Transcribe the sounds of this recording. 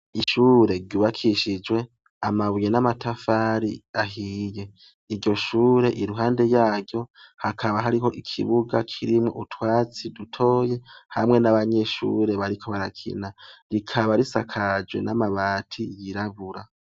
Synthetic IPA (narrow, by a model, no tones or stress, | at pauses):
iʃuːɾe̞ɾɟuːβakʰiʃid͡ʒwe̞ | amaβuje̞namatʰafaːɾiaɦiːje̞ | iɾɟo̞ʃuːɾe̞ʔiɾuɦaːnde̞jaːɾjo̞hakʰaβaɦaɾiɦo̞ʔikʰḭβuɡakʰiɾimŋo̰ʔutwaːt͡sidutʰo̞ːje̞hamŋe̞naβaɲe̞ʃṵɾe̞βaɾikʰo̞βaɾakʰḭnaɾikʰaβaɾisa̰kʰad͡ʒwe̞̰nʔamaβaːtʰijiɾaβuɾa